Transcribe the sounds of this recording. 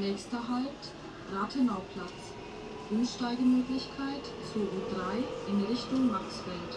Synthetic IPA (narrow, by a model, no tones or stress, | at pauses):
nɛːçstɐɦalp̚t | ʁaːtʰənaʊpʰl̥at͡s | ʔʊmʃtaɪɡəmøːklɪçkʰaɪt | t͡soːʔudʁaɪʔɪnʁɪçtʊŋmaχsfɛlt